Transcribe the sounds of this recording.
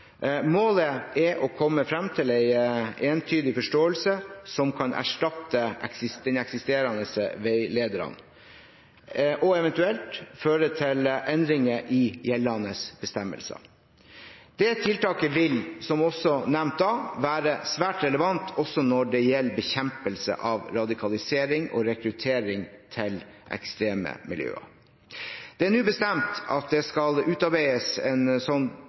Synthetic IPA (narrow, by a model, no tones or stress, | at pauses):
moːləɛʔɔkʰɔmːəfɾɑmt̪ʰɪlæɪeːnt̪ʰyːd̪ɪfɔʂʈoːəlsəsɔmkʰɑnʔæ̰ʂʈɑt̪ːəʔɛ̰ksɪsd̪ɛnɛksɪst̪eːɾɑnəsʋæɪleːd̪əɾɑ̰n | ʔɔɛʋɛnt̪ʉɛlt̪føːɾət̪ʰɪlʔɛnd̪ɾɪŋəʔɪjɛlːɑnəsb̥əst̪ɛmːə̰lsə̰ | d̪̥ɛt̪ʰɪlt̪ɑːkəʋɪlsɔmɔsːɔnɛʋnt̪̚d̪ɑːʋæːɾəsʋæːʈɾɛləʋɑnt̪ʰɔsɔnɔɖɛjɛlːbəçɛmpəlsə̰ʔɑʋɾɑd̪ɪkʰɑlɪseːɾɪŋɔ̰ɾɛkɾʉt̪ʰeːɾɪŋt̪ʰɪlʔɛ̰kst̪ɾeːmə̰mɪ̰ljø̰ːə̰ | d̪̥ɛænʉːbəst̪ɛmt̪ɑ̰t̪̚d̪ɛskɑlʉːt̪ɑɾbæɪəsɛnsɔnː